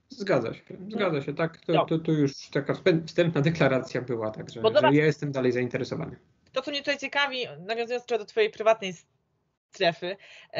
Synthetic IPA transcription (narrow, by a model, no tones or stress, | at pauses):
zɡad̪za̰ɕɛzɡad̪aɕɛt̪akt̪ɔt̪ɔt̪ɔjuʂt̪akaɛfst̪ɛmpnad̪ɛklaɾat̪sʲjabɘwat̪aɡʐɛbɔjjajɛst̪ɛmd̪alɛjzaint̪ɛɾɛsɔva̰nɘ | t̪ɔt̪ɔmɲɛt̪ut̪ajt͡ɕɛkavʲinavʲjɔ̃zujɔnt͡ʃɛd̪ɔt̪fɔjejpɾɘvat̪̚nɛjs | t̪ɾɛfɘ